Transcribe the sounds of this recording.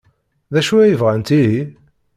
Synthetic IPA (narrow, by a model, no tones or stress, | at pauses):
ðæʃuæjəvʁænt̪iɦi